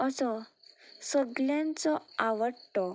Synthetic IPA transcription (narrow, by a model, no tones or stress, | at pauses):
ɔt͡sɔ | səɡljãnt͡sɔaʋəʈɔ